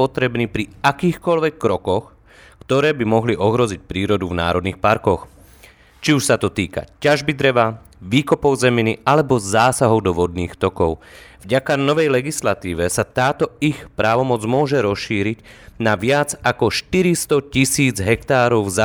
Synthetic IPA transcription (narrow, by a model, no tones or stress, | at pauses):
ɔt̪ɾɛbniːpɾiakiːxkɔlʋɛkːɾɔkɔx | kt̪ɔɾɛːbimɔɦliʔɔɦɾɔzic̚pɾiːɾɔd̪uvna̰ːɾɔd̪nixpaɾkɔx | t͡ʃiuʃsat̪ɔt̪iːka̰caʒbid̪ɾɛʋa | ʋiːkɔpɔʊzɛminialɛbɔzaːsaɦɔʊd̪ɔʋɔd̪niːxt̪ɔkɔʊvɟakanɔʋɛjlɛɡislat̪iːʋɛsat̪aːt̪ɔixpɾaːʋɔmɔd͡zmʊɔʒɛɾɔsʃiːɾiɟnaʋɪad͡zakɔʃt̪iɾist̪ɔcisiːd͡zɦɛkt̪aːɾɔʊza